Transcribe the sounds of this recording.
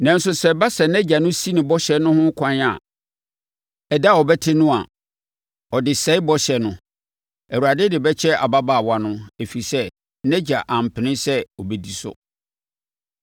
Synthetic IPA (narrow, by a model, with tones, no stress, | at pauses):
nã˨n̩˦sʊ˦sɛ˦ba˦sɛ˨nɛ̃˦d͡ʑa˨nʊ̃˦si˦nɪ̃˨bɔ˦ɕɛ˨˦nʊ̃˦hʊ̃˦kʰã˦n˦a̰˨ | ɛ˨da˦˨ɔ˨bɛ˦tʰɪ˦nʊ̃˦a˨ | ɔ˨dɪ˨sɛ˨˦ɪ˦bɔ˦ɕɛ˨nʊ̃˦ | æ˨wu˨a˨dɪ˦dɪ˨bɛ˦t͡ɕʰɛ˦a˨ba˦baː˦˨wa˨nʊ̃˦æ˨fi˨sɛ˦ | nɛ̃˦d͡ʑa˨ʔã˨m̩˨pʰɪ˨nɪ̃˦sɛ˦ɔ˨bɛ˨di˨sʊ̰˦